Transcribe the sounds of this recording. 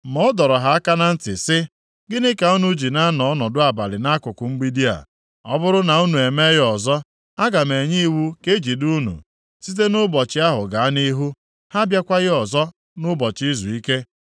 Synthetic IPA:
mɔ˦ɔ˦dɔ˨ɾɔ˨ɦa˨a˦ka˦na˦n̩˦tɪ˨sɪ˦ | ɡɪ˦nɪ˦ka˨ɔ˦nu˦d͡ʒi˨na˦nɔ˨ɔ˦nɔ˨dʊ˦a˨ba˨lɪ˨na˦kʊ˨kʊ˨m̩˦ɡ͡bi˦di˦a̰˨ | ɔ˦bʊ˦ɾʊ˦na˨u˦nu˨e˨me˦ɣɪ˦ɔ˨zɔ˦ | a˦ɡa˨me˨ɲi˦wu˦ke˦d͡ʒi˨du˦nṵ˨ | si˦t̬e˦nʊ˦bɔ˨t͡ʃɪ˦a˦ɦʊ˨ɡa˨a˦ni˦ɦu˦ | ha˦bja˦kʷa˦ɣɪ˦ɔ˨zɔ˦ | nʊ˦bɔ˨t͡ʃi˦zu˨i˦ke˦

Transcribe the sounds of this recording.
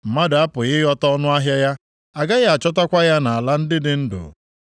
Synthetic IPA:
m̩˨ma˦da˦pʊ˨ɣɪ˦jɔ˦tɔ˦nʊ˦a˦ɦja˦ja˦ | a˨ɡa˦ɣa˦a˨t͡ʃɔ˦ta˦kʷa˦ja˦na˨a˨la˦n̩˦dɪ˦dɪ˨n̩˦dʊ̰˨

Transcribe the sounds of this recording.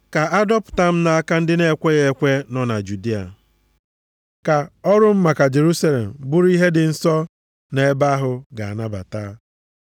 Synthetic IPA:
ka˨a˦dɔ˦pʊ̥˨ta˦m̩˦na˦a˦ka˦n̩˦dɪ˦ne˦kʷe˦ɣe˦kʷe˦nɔ˦na˨d͡ʒu˨di˦a̰˨ | ka˨ɔ˦ɾʊ˦m̩˦ma˨ka˨d͡ʒe˨ɾu˦sa˦lḛ˨m̩˨bʊ˦ɾi˦ɦe˦dɪ˨n̩˦sɔ˦ | ne˨e˦ba˦ɦʊ˨ɡa˨a˨na˦ba̰˨taː˦

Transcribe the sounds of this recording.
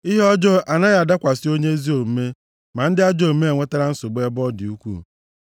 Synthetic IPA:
i˦ɦe˦ɔ˦d͡ʒɔ˦a˨na˦ja˨da˦kʷa˨sɪ˦o˦ɲe˦zi˦o˨m̩˨˦me˦ | ma˨n̩˦dɪ˦a˦d͡ʒo˦˨m̩˦me˦e˨ŋʷe˦ta˦ɾa˦n̩˦sʊ˨ɡ͡be˦bɔ˦dɪ˨u˦kʷṵ˦˨

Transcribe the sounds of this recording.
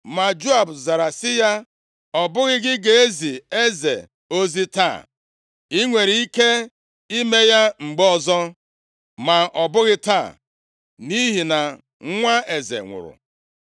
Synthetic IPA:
ma˨d͡ʒo˦a˨bza˨ɾa˨sɪ˦ja˦ | ɔ˨bʊ˦ɣɪ˦ɡɪ˦ɡe˨e˦zi˨e˦zḛ˨ | o˦zi˦ta̰˦˨ | i˦ŋʷe˨ɾi˨i˦ke˦ | i˦me˦ja˦ŋ͡m̩˨ɡ͡bɔ˦˨zɔ˦ | ma˨ɔ˨bʊ˦ɣɪ˦ta˦˨ | ni˦ɦi˨na˨˦ | ŋʷa˦e˨zḛ˨ŋʷʊ̰˨ɾʊ̰˨

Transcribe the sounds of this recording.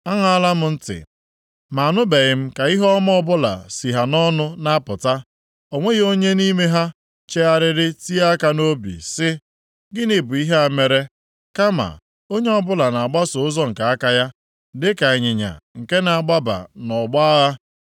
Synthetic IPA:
a˦ŋa˦a˦la˦m̩˨n̩˦tɪ̰˨ | ma˨a˨nʊ˦be˨ɣɪ˨m̩˦ka˨i˦ɦɔ˦m˦ɔ˦bʊ˦la̰˨si˨ɦa˨nɔ˦nʊ˦na˦pʊ˨ta˦ | o˨ŋʷe˦ɣo˦ɲe˦ni˦me˦ɦa˦ | t͡ʃe˦a˦ɾɪ˦ɾɪ˦ti˦a˦ka˦no˦bḭ˨sɪ˦ | ɡɪ˦nɪ˨bʊ˨i˦ɦa˨me˨ɾe˦ | ka˦ma̰˨ | o˦ɲe˦ɔ˦bʊ˦la˨na˨a˨ɡ͡ba˦sʊ˨ʊ˦zɔ˦ŋ̩˨ka˨a˦ka˦ja˦ | dɪ˦ka˨e˨ɲɪ˨ɲa̰˨ŋ̩˨ke˦na˨a˨ɡ͡ba˦ba̰˨nɔ˨ɡ͡ba˦ɣa˦

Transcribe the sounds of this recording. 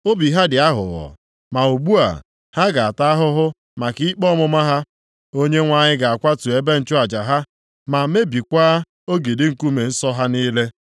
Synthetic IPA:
o˦bi˨ɦa˦dɪ˨a˦ɦʊ̰˨ɣɔ̰˨ | ma˨o˨ɡ͡bu˦a̰˨ | ha˦ɡa˨a˨ta˦a˦ɦʊ˦ɦʊ˦ | ma˨ki˦i˦k͡pɔ˦mʊ˦ma˦ɦa˦ | o˦ɲe˦ŋʷa˦˨ɲɪ˦ɡa˨a˨kʷa˦tu˨e˦be˦n̩˨t͡ʃʊ˦a˨d͡ʒa˨ɦa˦ | ma˨me˦bi˨kʷaː˦ | o˦ɡi˨dɪ˦ŋ̩˨ku˦me˨n̩˦sɔ˦ɦa˦niː˦le˦

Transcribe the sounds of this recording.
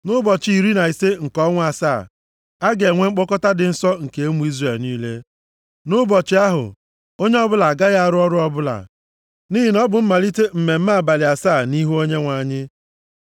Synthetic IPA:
nʊ˦bɔ˨t͡ʃi˨i˨ɾi˦na˨i˨se˦ŋ̩˨kɔ˦ŋʷ˦a˨saː˦˨ | a˦ɡe˨ŋʷe˦ŋ͡m̩˦k͡pɔ˦kɔ˦ta˦dɪ˨n̩˦sɔ˦ŋ̩˨ke˨˦e˦mu˨˦i˦zre˨lniː˦le˦ | nʊ˦bɔ˨t͡ʃɪ˦a˦ɦʊ̰˨ | o˦ɲe˦ɔ˦bʊ˦la˨ɡa˦ɣa˦a˨ɾʊ˦ɔ˦ɾʊ˦ɔ˦bʊ˦la̰˨ | ni˦ɦi˨nɔ˦bʊ˨m̩˦ma˨li˦te˦m̩˨me˨m̩˦ma˦˨ba˨lɪ˨a˨saː˦˨ni˦ɦu˦o˦ɲe˦ŋʷa˨ɲɪ˦

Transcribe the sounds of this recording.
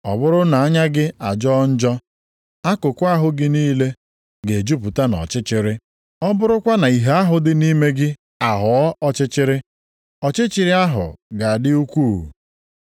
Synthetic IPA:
ɔ̰˨bʊ˦ɾʊ˦na˨a˦ɲa˦ɡɪ˦a˨d͡ʒɔ˦n̩˦d͡ʒɔ˦ | a˦kʊ˨kʷʊ˦a˦ɦʊ˦ɡɪ˦niː˦le˦ | ɡe˨d͡ʒu˦pu˨ta˦nɔ̰˨t͡ʃɪ˦t͡ʃɪ˦ɾɪ˦ | ɔ˦bʊ˦ɾʊ˦kʷa˦na˨i˨ɦe˦a˦ɦʊ˨dɪ˦ni˦me˦ɡɪ˦ | a˨ɦɔ˨ɔ˦ʔɔ˦t͡ʃɪ˦t͡ʃɪ˦ɾɪ˦ | ɔ˨t͡ʃɪ˦t͡ʃɪ˨ɾɪ˦a˦ɦʊ̰˨ɡa˨a˨dɪ˦u˦kʷuː˦˨

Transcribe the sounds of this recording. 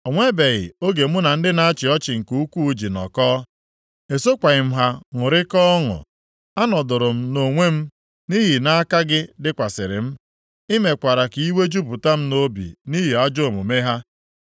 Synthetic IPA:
o˨ŋʷe˦be˨ɣɪ̰˨o˦ɡe˨m̩˦ʊ˦na˨n̩˦dɪ˦na˦a˦t͡ʃɪ˨ɔ˦t͡ʃɪ˨ŋ̩˨ku˦u˦kʷu˦u˦d͡ʒi˨nɔ̰˨kɔː˦ | e˨so˦kʷa˨ɣɪ˨m̩˦ɦa˦ŋʊ˨ɾɪ˦kɔ˦ŋʊ̰˨ | a˦nɔ˨dʊ˨ɾʊ˨m̩˦no˨ŋʷe˦m̩˦ | ni˦ɦi˨na˦a˦ka˦ɡɪ˦dɪ˦kʷa˨sɪ̰˨ɾɪ̰˨m̩˦ | ɪ˦me˨kʷa˨ɾa˨ki˨i˦we˦d͡ʒu˦bʊ˨ta˦m̩˦no˦bḭ˨ni˦ɦi˨a˦d͡ʒo˦o˨mʊ˨me˦ɦa˦

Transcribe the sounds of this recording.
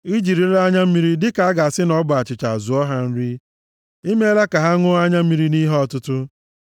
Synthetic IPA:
i˦d͡ʒi˨ɾi˨ɾa˦ɲa˦m̩˦mi˦ɾi˦dɪ˦ka˨a˦ɡa˨a˨sɪ˦nɔ˦bʊ˨a˨t͡ʃɪ˨t͡ʃa˨zu˨ɔ˦ɦa˦n̩˦ɾi˦ | i˦me˦la˦ka˨ɦa˦ŋʊ˦a˦ɲa˦m̩˦mi˦ɾi˦ni˦ɦɔ˦tʊ˦tʊ˦

